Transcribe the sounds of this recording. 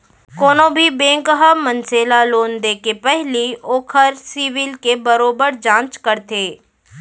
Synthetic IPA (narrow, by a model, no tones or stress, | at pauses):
koːnõbʱibẽːŋkɦəmənseːlaloːnd̪ekepɛɦlioːkʰəɾsiːʋɪlkebəɾoːbəɾd͡ʒãːt͡ʃkəɾt̪eː